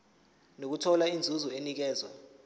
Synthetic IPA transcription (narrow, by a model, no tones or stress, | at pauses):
nok̬utʰɔlaind͡zʱuzɔenik̬ɛːzwa